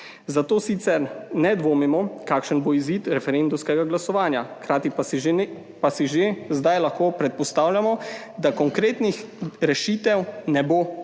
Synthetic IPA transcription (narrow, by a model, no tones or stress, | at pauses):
zat̪oːsit̪sɛɾnɛd̪ʋoːmimɔkaːkʃənboiziːt̪ɾɛfɛɾend̪umskɛɡaɡlasɔʋaːnjakɾaːt̪ip | pasiʒezd̪ajlaxkoːpɾɛt̪̚pɔst̪aːwlʲjamɔ | d̪akɔŋkɾeːt̪nixɾɛʃiːt̪ɛwnɛboː